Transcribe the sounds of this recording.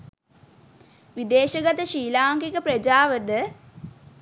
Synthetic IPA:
ʋid̪eːʃəɡat̪əʃiːlaːŋkikəpɾəd͡ʒaːʋəd̪ə

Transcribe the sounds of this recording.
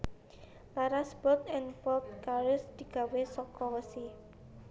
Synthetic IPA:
laɾasb̥ɔt̪̚ɛnpɔlt̪̚kaɾɪsd̪̥i̤ɡ̥a̤wesɔkɔwəsi

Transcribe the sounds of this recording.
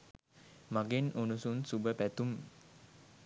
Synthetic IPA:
maɡenunusunsubəpæt̪um

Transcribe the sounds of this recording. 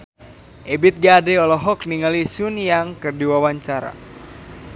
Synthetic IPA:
ʔebit̪̚ɡadɛɔlɔɦɔkniŋalisunjaŋkɨrdiwawaɲt͡ʃaɾa̰

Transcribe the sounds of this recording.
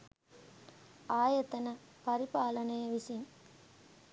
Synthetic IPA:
aːjɐt̪ɐnɐ | pɐɾipaːlɐnɐjɐʋisɐŋ

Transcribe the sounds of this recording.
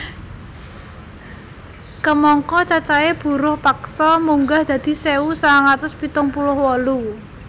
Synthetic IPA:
kəmɔŋkɔt͡ʃat͡ʃaeb̥ṳɾʊhpaksɔmuŋɡahd̪̥ä̤d̪̥i̤seusaŋat̪ʊspit̪ʊŋpulʊhwɔlu

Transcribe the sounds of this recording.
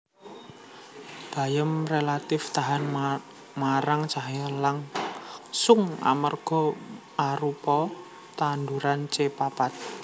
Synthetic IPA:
b̥a̤jəmrelat̪ɪft̪aɦan | maɾaŋt͡ʃaɦəlaŋ | sʊŋa̰mərɡ̥ɔ̤ | ʔaɾupɔ | t̪and̪uɾant͡ʃepapat̪̚

